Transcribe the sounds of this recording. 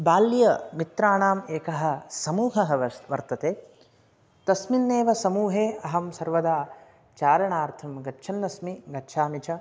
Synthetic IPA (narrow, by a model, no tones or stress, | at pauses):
baːlːjɐmit̪ɾaːɳaːmeːkɐɦɐ̆sɐmuːɦɐɦɐʋʋɐɾt̪ɐt̪eː | t̪ɐsminːeːʋɐsɐmuːɦeːɐɦɐmsɐɾʋɐd̪aː | t͡ʃaːɾɐɳaːɾt̪ʰɐmɡɐtːʃʰɐnːɐsmiɡɐtːʃʰaːmit͡ʃɐ